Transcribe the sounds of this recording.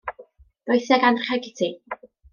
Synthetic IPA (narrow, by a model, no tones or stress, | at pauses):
d̥ojθɛɡanrχɛɡɪtʰi